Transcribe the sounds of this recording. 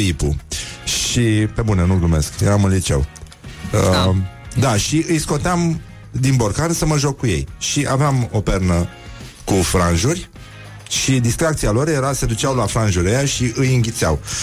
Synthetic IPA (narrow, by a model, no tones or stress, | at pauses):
ipṵʃipe̞bunenuɡlume̞skjeɾamunlit͡ʃe̞̰w | d̪aʃiɨjsko̞t̪eam | d̪inbo̞rkansəməʒokːuje̞̰jʃiʔaveamopernə | kufɾanʒurʲ | ʃid̪ist̪ɾak̚t̪sialo̞rjeɾase̞d̪ut͡ʃawlafɾanʒuɾejaʃiɨjɨŋɡʲit̪sea̰w